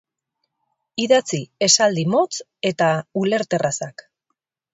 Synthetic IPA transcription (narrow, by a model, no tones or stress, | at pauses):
iðat͡sie̞sald̪imo̞t͡s | e̞t̪aule̞ɾt̪e̞rʔasak